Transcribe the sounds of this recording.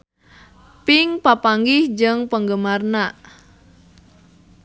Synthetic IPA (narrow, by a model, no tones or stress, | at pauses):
pɪŋpapaŋɡɪhd͡ʒɨŋpəŋɡəmarnaʔ